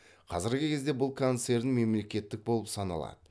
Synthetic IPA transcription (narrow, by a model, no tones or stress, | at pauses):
qʰɑzɪɾɡʲɪkʲʰe̞zd̪e̞bʊlˠkʰont̪se̞ɾnɪŋme̞mle̞kʲe̞t̪ːɪk̚bo̞lˠəpsɑnɑ̰lˠɑ̰d̪ə